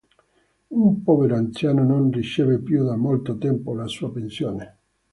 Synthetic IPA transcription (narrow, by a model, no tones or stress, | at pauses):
umpɔːveɾoant̪sjaːnononrit͡ʃeːvepjud̪amːolt̪ot̪ɛmpolasuapensjoːne